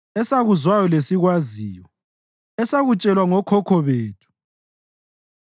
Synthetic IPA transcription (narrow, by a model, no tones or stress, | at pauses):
ɛsaɣuzwajɔlesiɣwazḭːjɔ | ɛsaɣut͡ʃʼɛlwaŋɔkʰɔkʰɔβeːtʰu̥